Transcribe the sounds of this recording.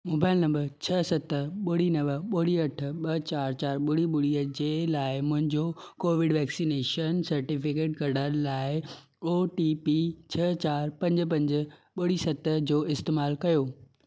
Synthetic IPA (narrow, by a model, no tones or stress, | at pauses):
moːbaːɪlnɐ̃mbəɾt͡ɕʰɐsɐt̪əɓʊɽinɐʋəɓʊɽiɐʈ̆ʰɓɐt͡ɕaːɾt͡ɕaːɾɓʊɽiɓʊɽiəd͡ʑeːlaːɪmʊ̃ɦɪ̃ɲd͡ʑokoːʋɪɖʋɛːksineːʃənsɐɾʈifɪkeːʈkɐɾɽəlaːɪ | oːʈipit͡ɕʰɐt͡ɕaːɾpɐ̃ɲd͡ʑ̆p̬ɐ̃ɲd͡ʑə̆ɓʊɽisɐt̪əd͡ʑoːɪst̪eːmaːlkɐjoː